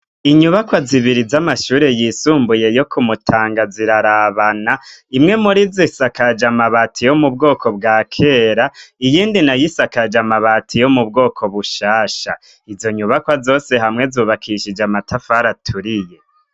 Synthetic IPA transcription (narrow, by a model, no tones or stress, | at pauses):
iɲuβakwaziβiɾizamaʃuːɾe̞jiːsuːmbuje̞jo̞kʰumutʰaːŋɡaziɾaɾaβanaimŋe̞muɾizisakad͡ʒamaβatʰijo̞mub̚ɡo̞ːkʰo̞b̚ɡaːkʰe̞ːɾaijiːndinajisakad͡ʒamaβatʰijo̞mub̚ɡo̞ːkʰo̞βuʃaːʃa | izo̞ɲuβakwazo̞ːse̞ɦamŋe̞zuːβakʰiʃid͡ʒamatʰafaɾatʰuɾije̞